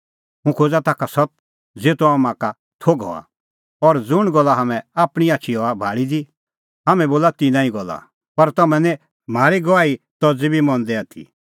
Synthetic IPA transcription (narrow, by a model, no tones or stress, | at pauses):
ɦũkʰod͡zat̪aːkʰasɔt̪̚ | d͡zeːt̪uamãka | t̪ʰoːɡɔ̰a̰ | ɔɾd͡zʊɽ̃ɡɔlːaɦamɛ̃aːpɽ̃iaːt͡ʃʰiɦɔabʱaːɽid̪i | ɦaːmɛ̃boːlat̪inãːĩɡɔlːa̰ | pɐɾt̪ɐmɛ̃nɛ | m̤aːɾiɡɔʋaːit̪ɔd͡zibʱimɔ̃nd̪ɛaːt̪ʰḭ